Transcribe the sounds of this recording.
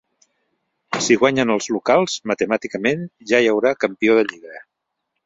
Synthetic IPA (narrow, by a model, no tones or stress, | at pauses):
siɣwaɲənəlˠzlukalˠzmət̪əmat̪ikəmenʒajəwɾakəmpioðəʎiɣɾə